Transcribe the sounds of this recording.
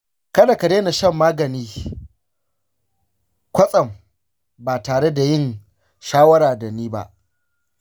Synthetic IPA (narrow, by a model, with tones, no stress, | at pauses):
kɐ˦da˨ka˨deː˦na˨ʃɐ˦˨mːaː˦ɡɐ˨niː˦ | kʷɐ˦sʼɐ˨m | baː˨taː˨ɽe˦da˨jɪ˦˨n | ʃaː˦wɐ˦ɽaː˨da˨niː˦ba̰˦ʔ